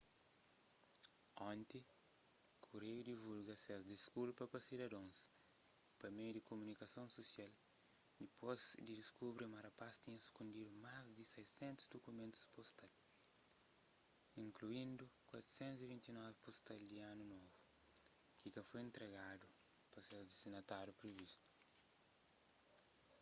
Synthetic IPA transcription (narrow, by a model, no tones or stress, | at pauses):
ɔ̃nt̪i | kʰuɾejud̪ivulɡɐsɛzd̪iskulpɐpɐsid̪ɐd̪õs | pɐmejud̪ikomunikɐsõñsosial | d̪ipozd̪id̪iskubɾimɐɾɐpast̪iɲɐsu̥kũnd̪idumazd̪isɛjsɛ̃nt̪u̥zd̪okumẽnt̪u̥spost̪al | ĩŋkluĩnd̪ukwat̪ɾu̥sẽnt̪uzivĩnt̪inɔvipost̪ald̪ianunovu | kikɐfojẽnt̪ɾeɣad̪upɐsɛzd̪isinɐt̪aɾjupɾivist̪u̥